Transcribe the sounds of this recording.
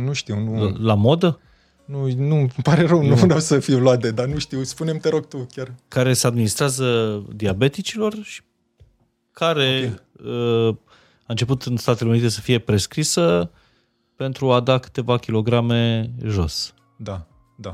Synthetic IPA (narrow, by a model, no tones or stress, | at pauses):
nuʃt̪iwnulamo̞d̪ə | nunupaɾe̞ɾəwnuɾawsəfiloat̪̚d̪ed̪anuʃt̪iwspune̞mt̪eɾo̞ɡ̚t̪ukʲjarkaɾe̞se̞ad̪minist̪ɾeazəd̪iabe̞t̪it͡ʃilo̞rʃi̥ | kʰaɾe̞ə | aɨnt͡ʃe̞put̪ɨnst̪at̪ele̞unit̪e̞səfije̞pɾe̞skɾisə | pe̞nt̪ɾuad̪akɨ̥t̪e̞vakʲilo̞ɡɾame̞ʒo̞̰s | d̪a | d̪a